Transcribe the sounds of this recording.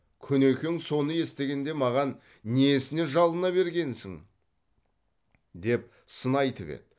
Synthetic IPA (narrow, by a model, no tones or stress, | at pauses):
kʲʰɵne̞kʲeŋso̞nəje̞st̪e̞ɡʲe̞nd̪e̞mɑʁɑn | nejesɪne̞ʒɑlˠənɑβe̞ɾɡʲe̞nsɪŋ | d̪e̞p | sənɑjt̪ʰəvḛt̪